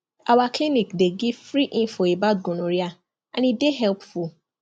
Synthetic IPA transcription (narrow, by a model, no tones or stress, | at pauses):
awaklinikdeɡivfɾiʔĩnfɔebad̚ɡõnõɾia | ãnĩdeɦɛlpfu